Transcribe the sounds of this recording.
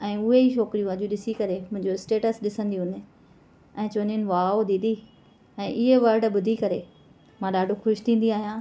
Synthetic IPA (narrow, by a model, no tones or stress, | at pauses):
ɛ̃ːʊɦeiʃɔːkɾijũɐʄũɗɪsikɐɾemʊ̃ɦɪ̃ɲd͡ʑoɪsʈeːʈəsɗɪsə̃nd̪iɦʊnɪ | ɛ̃ːt͡ɕoːnɪnɪ̆ʋaːod̪id̪i | ɛ̃ːʔɪɦeʋɐɾɖɓʊd̪ʱikɐɾe | mãːɗaːɖʱuxʊʃt̪ʰĩːn̆d̪iaːɦijãː